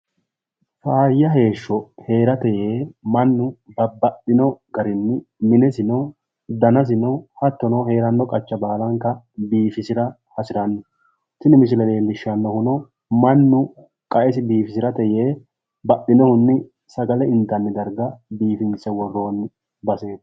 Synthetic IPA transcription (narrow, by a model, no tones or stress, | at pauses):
faːjːɐɦe̞ːʃːɔhe̞ːɾɐt̪ɛjeːmɐnːʊbɐbɐɗɪnɔɡɐɾɪnːɪmɪnɛsɪnɔ | d̪ɐnɐs̬ɪnɔhɐt̪ːɔnɔwhe̞ːɾɐnːɔkʼɐt͡ʃːɐbaːlɐŋkːɐ | biːfɪsɪɾɐ | hɐsɪɾɐnːɔ | sɪnɪmɪsɪlɛleːlɪʃːɐnːɔhʊnɔ | mɐnːʊ | kʼɐʔɛsɪbiːfɪsɪɾɐt̪ɛjeː | bɐɗɪnɔhʊnːɪ | sɐɡɐlɛɪnt̪ːɐnːɪd̪ɐɾɡɐbiːfɪnsɛwɔrːo̞ːnː | bɐseː